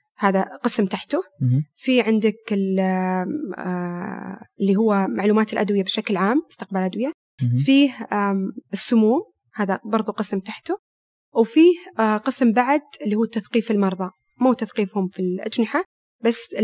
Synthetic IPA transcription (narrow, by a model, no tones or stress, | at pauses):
haːðaqɨsmt̪aħt̪ʊfiːʕɪnd̪ɪkɪl | ɪlːiɦʊwːamaʕluːmaːt̪ɪlʔad̪wɪjabɪʃaklʕaːmbɪst̪ɪq̚balʔad̪wɪja | fiːh | ɪsːʊmuːm | haːðabɑɾˤðˤuqɨsmt̪aħt̪ʊ | wfiːhqɨsmbaʕd̪ɪlːiːhuːt̪ːaθqiːfɪlmɑɾˤðˤɑ | muːt̪aθqiːfhʊmfilʔa̰d͡ʒnɪħa | basːɪ